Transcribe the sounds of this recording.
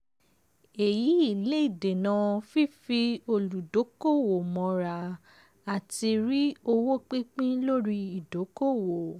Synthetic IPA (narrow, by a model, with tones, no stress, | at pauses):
e˨ji˨˦i˦˨le˦i˦˨de˨nã˨˧˦fi˦fi˧o˧lu˨do˨˦ko˦˨wo˨mɔ̃˨˧˦ɾa˨ | a˨ti˧ɾi˦o˧wo˦k͡pi˦k͡pĩ˦lo˦ɾi˧i˨do˨˦ko˦˨wo˨